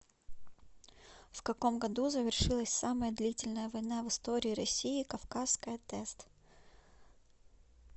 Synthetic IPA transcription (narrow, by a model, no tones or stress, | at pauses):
fkɐko̞mɡɐd̪uzəvʲɪrʂɨlˠəsʲsaməjəd̪lʲitʲɪlʲnəjəvɐjnavɨst̪oɾʲɪːɾɐsʲiɪkɐfkaskəjət̪ɛst̪